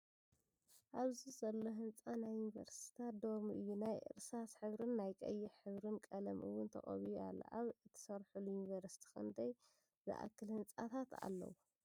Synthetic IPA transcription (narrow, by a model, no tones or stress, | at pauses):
ʔaβzizɐlːo̞ɦɨnt͡sʼanajːunivɐ̰ɾst̪ʰi̥t̪ʰat̪̚d̪oɾmiʔɨjːunajʔɨ̰ɾsasħɨβɾɨnːajkʼɐ̰jːiħɨβɾɨnkʼɐlɐmʔɨ̰wʊnt̪ʰɐ̰χʼɐ̰βia̰l̰ːʔaβɨt̪ʰːɐ̥sɐɾħulujunivɐɾsi̥t̪ʰi̥xɨ̰nd̪ɐj | zɨ̰ʔa̰kʰːɨlhɨnt͡sʼat̪ʰat̪a̰lːɐ̰wu